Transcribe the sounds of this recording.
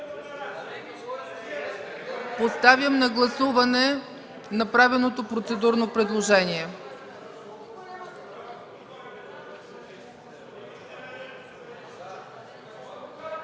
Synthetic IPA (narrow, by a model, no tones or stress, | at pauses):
post̪avjəmnɐɡlˠɐsuvɐnɛ | nɐpɾavɛlˠnot̪opɾot̪sɛd̪uɾnopɾɛd̪lˠoʒɛniɛ